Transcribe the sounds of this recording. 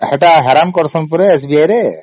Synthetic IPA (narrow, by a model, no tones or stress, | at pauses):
hɛʈaɦɛɾankɔɾsɔnpuɾeːsbiajɾe